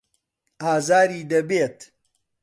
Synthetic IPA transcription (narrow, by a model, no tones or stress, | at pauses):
aːzaːɾiːd̪ɐbeːt̪